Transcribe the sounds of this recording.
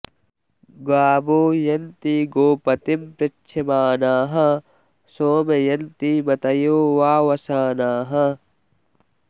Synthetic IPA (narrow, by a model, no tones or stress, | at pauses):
ɡaːboːjɐnt̪iɡoːpɐt̪impɾɐt͡ʃːʃʰɐmaːnaːɦɐ | soːmejɐnt̪iːmɐt̪ɐjoːwaːwɐsaːnaːɦɐ